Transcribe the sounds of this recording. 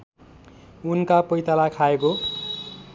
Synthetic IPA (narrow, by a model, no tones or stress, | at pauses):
unkapʌjt̪alakʰaeko